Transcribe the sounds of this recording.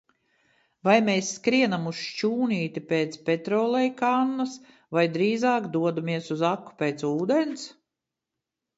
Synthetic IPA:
vajmeːsːkɾiɛnamust͡ʃuːniːt̪ipʲeːt̪spʲet̪ɾɔːlˠɛjkanːɐs | vajd̪ɾiːzɑːkd̪uɔd̪umiɛsuzakːu̥pʲeːt̪suːd̪ens

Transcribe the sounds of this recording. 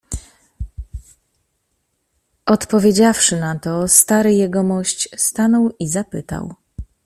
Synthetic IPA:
ɔt̪pɔvʲjed͡ʑafʂɘnat̪ɔst̪aɾɘjɛɡɔmɔɕt͡ɕst̪anɔwizapɘt̪a̰w

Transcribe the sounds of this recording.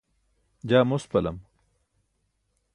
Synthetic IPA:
d͡ʑaːmospɐlɐ̰m

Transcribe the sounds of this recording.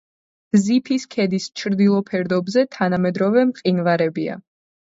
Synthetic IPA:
zipʰiskʰɛd̪ist͡ʃʰɾd̪ilˠɔpʰɛɾd̪ɔbzɛt̪ʰanamɛd̪ɾɔvɛmqʼinvaɾɛbia̰

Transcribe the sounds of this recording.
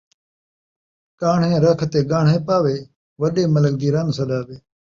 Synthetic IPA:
kaːɳ̤ẽːɾəkʰt̪eːɡaːɳ̤ɦẽːpaːʋeː | ʋəɗeːmələld̪iːɾaːnsəɗaːʋeː

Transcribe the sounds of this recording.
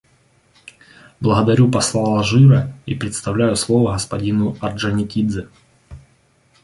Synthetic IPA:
blˠəɣəd̪ɐɾʲupɐslˠalˠʐɨɾəipɾʲɪt̪st̪ɐvlʲæjʊslˠovəɣəspɐdʲinʊɐrʐɐnʲɪkʲid̪zɨ

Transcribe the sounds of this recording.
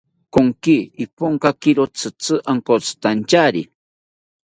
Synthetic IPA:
koŋkiipoŋkakiɾot͡sɨt͡sɨʔaŋkot͡sɨ̥t̪ant͡ʃaɾḭ

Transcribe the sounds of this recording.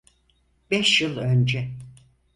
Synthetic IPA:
bɛʃjɯlˠønd͡ʒɛ

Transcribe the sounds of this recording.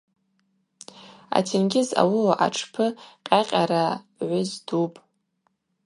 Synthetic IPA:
a̰tʰinɡʲɪza̰wʊʔa̰ʈ͡ʂʰpʰɨqʲʼaqʲʼaɾa | ʕʷʊzdupʼ

